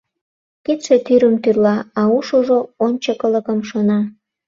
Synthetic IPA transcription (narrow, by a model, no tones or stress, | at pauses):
ket̪ʃet̪yɾəmt̪yrlɑɑuʃuʒoonʲt͡ɕəkələkəmʃonɑ